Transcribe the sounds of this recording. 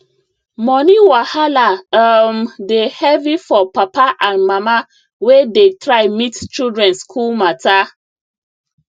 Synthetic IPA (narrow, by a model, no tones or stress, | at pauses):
mɔniwahalaəmdehɛvifɔpapaʔãnmama | wedetɹaɪmitt͡ʃildɹɛ̃nskʰulmata